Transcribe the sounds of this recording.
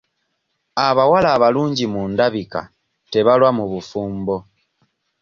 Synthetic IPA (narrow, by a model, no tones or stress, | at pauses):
aβawalaːβaluːɲɟimuːndaβika̰ | te̞βalwamuβufuːmbo̞